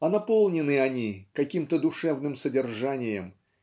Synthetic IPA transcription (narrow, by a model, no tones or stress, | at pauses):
ɐnɐpo̞lˠnʲɪnɨɐnʲikɐkʲimt̪əd̪ʊʂɛvnɨmsədʲɪrʐanʲɪjəm